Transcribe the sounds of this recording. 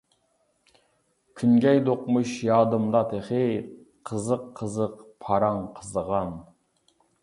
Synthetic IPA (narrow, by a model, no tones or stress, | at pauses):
kʲʰynɡʲɛjd̪oqmuʃjɑːd̪ɨmd̪ɑt̪ʰeχɪ | qʰəzəqʰːəzəqpʰɑɾɑŋqʰəzəʁɑn